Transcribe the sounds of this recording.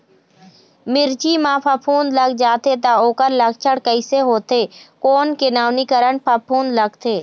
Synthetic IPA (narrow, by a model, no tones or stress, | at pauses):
mɪɾt͡ʃimãːpʰapʰuːnd̪ləɡd͡ʒaːt̪et̪aoːkəɾləɡt͡ʃʰəɽkəɪseɦoːt̪eːkoːnkenaːwnikəɾəɳpʰapʰũːnd̪ləɡt̪ʰeː